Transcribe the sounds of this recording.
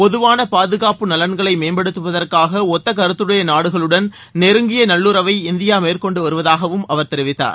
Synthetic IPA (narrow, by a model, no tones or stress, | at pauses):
pɔðɯʋaːnɐpaːðɯɣaːpɯnɐlɐnɡɐɭɐɪmeːmbɐɽɯt̪ːɯʋɐðɐrkaːɣɐɔt̪ːɐkɐɾɯt̪ːɯɽɐjɐnaːɽɯɣɐɭɯɽɐn | nɛɾɯŋɡɪjɐnɐɭːuːɾɐʋɐɪɪnd̪ɪjaːmeːrkɔɳɖɯʋɐɾɯʋɐðaːɣɐʋɯmɐʋɐɾt̪ɛɾɪʋɪt̪ːa̰ːɾ